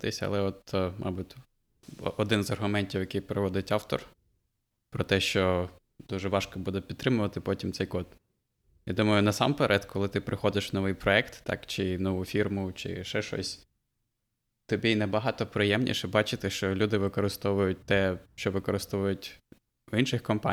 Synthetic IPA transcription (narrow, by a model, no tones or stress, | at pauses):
t̪ɪsʲɐ̰lˠɛɔt̪mʔɑ̰butʲ | ɔd̪ɪnzɐrɦʊmɛnʲtʲiwjɐkɪjpɾɪʋɔd̪ɪtʲɑwt̪ɔ̰r | pɾɔt̪ɛʃt͡ʃɔ | d̪uʒɛʋɑʃkɔbud̪ɛpʲd̪t̪ːɾɪmʊʋɐt̪ɪpɔtʲimt̪sɛjkɔt̪ | jɑd̪umɐjʊnɐsɑmpɛɾʔɛt̪kʰɔlˠɪt̪ɪpɾɪxɔd̪ɪʃnɔʋɪjpɾɔɛkt̪ːɑ̰kt͡ʃɪnɔʋufʲirmʊt͡ʃɪ̰ʃɛʃɔ̰sʲ | t̪ɔbʲiinɛbɐɦɑt̪ɔpɾɪjɛmnʲʔḭʃɛbɑt͡ʃɪt̪ɛʃt͡ʃɔlʲud̪ɪʋɪkɔɾɪst̪ɔʋʊjʊt̚ʲt̪ɛʃt͡ʃɔʋɪkɔɾɪst̪ɔʋʊjʊtʲ | inʃɪxkɔmpɑ